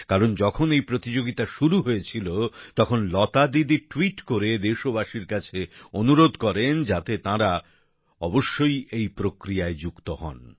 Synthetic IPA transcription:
kaɾond͡ʑɔkʰonejpɾot̪id͡ʑoɡit̪aʃuɾuɦoet͡ɕʰilot̪ɔkʰonlɔt̪ad̪id̪iʈwiʈkoɾed̪eʃobaʃiɾkat͡ɕʰeonuɾod̪ʱkɔɾend͡ʑat̪et̪ãɾa | ɔboʃːojejpɾokɾijaed͡ʑukt̪oɦɔ̰n

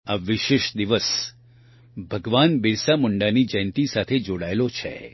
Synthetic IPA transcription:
aʋiʃeʃd̪iʋəs | bʱəɡʋanbɪɾsamʊɳɖanid͡ʒəjnt̪isat̪ʰed͡ʒoɽaelot͡ʃʰḛ

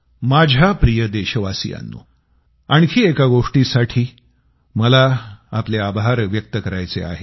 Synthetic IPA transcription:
mad͡ʑʱjapɾijəd̪eɕəʋasḭja̰nːo̰ | aɳ̃kʰiːekaɡoʂʈisaʈʰiː | məlaapleabʱaɾʋjək̚t̪əkəɾajt͡sea̰ɦe

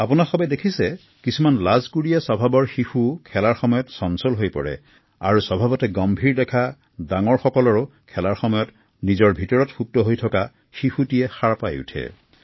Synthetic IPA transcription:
apunaxɔbɛdekʰisɛ | kisumanlazkuɹijasɔbʱabɔɹxixukʰɛlaɹxɔmɔjɔtsɔnsɔlɦojpɔ̰ɹɛ̰ | a̰ɹusɔbʱabɔtɛɡɔmbʱiɹdɛkʰa | daŋɔɹxɔkɔlɔɹʊkʰɛlaɹxɔmɔjɔt | nizɔɹbʱitɔɹɔtxup̚tɔɦojtʰɔka | xixutijɛxaɹpajṵtʰɛ̰

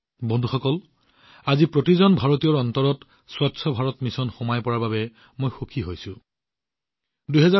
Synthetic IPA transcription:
bɔndʱuxɔkɔl | azipɹotizɔnbʱaɹotijɔɹɔntɔɹɔt | swatsʰɔbʱaɹɔtmisɔnxɔmajpɔɹaɹbabɛ | mojxokʰiɦojsʊ̃ | dujɦɛza

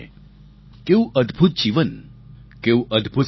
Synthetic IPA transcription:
kewʔəd̪ʱbʱut̪̚d͡ʑiːʋənkewʔəd̪ʱbʱut̪

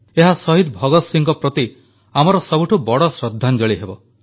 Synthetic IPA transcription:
eɦasɔɦid̪bʱɔɡɔt̪siŋɡɔpɾɔt̪i | amɔɾɔsɔbuʈʰubɔɽɔsɾɔd̪ʱːand͡ʒɔɭiɦebɔ

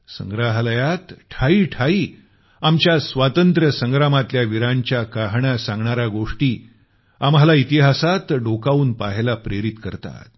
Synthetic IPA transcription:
sə̰ŋɡɾaɦləjat̪ʈʰaiːʈʰaiː | amt͡ɕjasʋat̪ənt̪ɾəsəŋɡɾamat̪ljaʋiɾãɲt͡ɕjakaɦɳasãŋɡɳaɾaɡoʂʈiː | amɦalait̪iɦasat̪ɖokauːnpaɦelapɾeɾit̪kəɾt̪a̰t̪̚

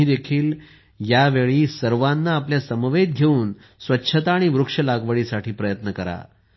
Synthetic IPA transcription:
iːd̪ekʰiːl | jaʋeɭiːsəɾʋanːaːpljasəmʋed̪̚ɡʱeuːn | sʋətːɕʰət̪aːɽ̃iʋɾukʂəlaɡʋəɭisaʈʰiːpɾəjət̪nəkəɾa̰

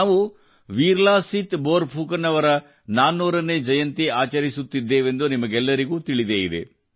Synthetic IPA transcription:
aːʋu | ʋiːɾlaːsit̪boːɾbʱuːkɐnɐʋɐɾɐ | naːnuːɾɐnːe̞ːd͡ʒɐjɐnt̪iaːt͡ʃɐɾisut̪ːid̪ːeːʋe̞nd̪unimɐɡɛlːɐɾiɡuːt̪iɭid̪eːid̪ḛ

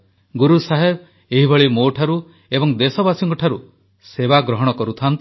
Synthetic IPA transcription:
ɡuɾusaɦeb | eɦibʱɔɭimoʈʰaɾu | ebɔŋd̪esɔbasiɔŋkɔʈʰaɾu | sebaɡɾɔɦɔɽ̃ɔkɔɾut̪ʰant̪ɔ

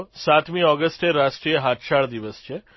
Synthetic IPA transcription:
sat̪mĩɔɡəsʈeɾaʃʈɾiːjəɦat̪ʃaɭd̪iʋəst͡ʃʰe

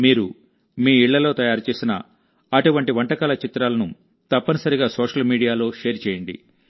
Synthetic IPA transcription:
miːɾu | miːiɭːɐlo̞ːt̪ɐjaːɾut͡ʃe̞ːsinɐ̰ | ɐʈuʋɐɳʈiʋɐɳʈɐkɐːlɐt͡ʃit̪ɾaːlɐnu | t̪ɐpːɐnɐsɐɾiɡaːsoːʂɐlmiːɽijaːlo̞ːʂeːɾt͡ʃeːjɐɳɖḭ

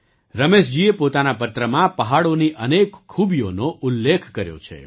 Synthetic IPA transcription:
ɾəmeʃ̬d͡ʒiepot̪anapət̪ɾəmãpəɦaɽoniʔənekkʰːubijonoʔulːekʰkəɾjo̰t͡ʃʰḛ

